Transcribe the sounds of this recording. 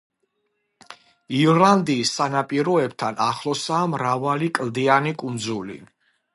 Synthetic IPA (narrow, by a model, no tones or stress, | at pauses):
iɾland̪iːsːanapʼiɾɔɛbt̪ʰanaχlˠɔsaːmɾavalikʼld̪ianikʼund̪zulḭ